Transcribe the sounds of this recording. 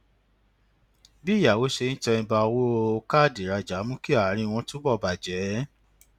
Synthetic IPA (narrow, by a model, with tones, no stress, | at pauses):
bi˦˨ja˨wo˨˦ʃe˧ñ̩˦tɛ˧ĩ˧ba˧o˧wo˦˧ka˦˨di˨ɾa˧d͡ʒa˨˦mũ˦ki˦a˨˦ɾ̃ĩ˧w̃ɔ̃˧tũ˦bɔ˦˨ba˨d͡ʒɛ˨˦